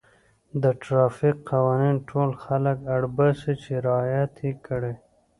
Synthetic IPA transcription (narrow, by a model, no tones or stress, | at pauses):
d̪əʈɾɑfikqawɑninʈʰolxaləkaɽbasit͡ʃeɾɑjat̪ikəɽe